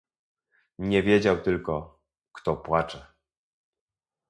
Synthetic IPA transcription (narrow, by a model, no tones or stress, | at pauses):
ɲɛvʲjed͡ʑawt̪ɘlkɔ | kt̪ɔpwat͡ʂɛ